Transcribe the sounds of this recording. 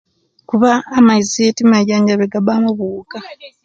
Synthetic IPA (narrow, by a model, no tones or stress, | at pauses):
kuβaːmaizietimajaːɲɟaβeɡaβamuβuːka